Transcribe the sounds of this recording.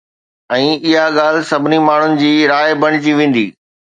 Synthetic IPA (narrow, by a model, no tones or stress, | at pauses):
ɛ̃ːɪɦaɠaːlɪsɐbʱɪnimaːɳ̤ʊnɪ̆d͡ʑiːɾaːebɐɽ̃ɪt͡ɕiʋẽːn̆d̪iː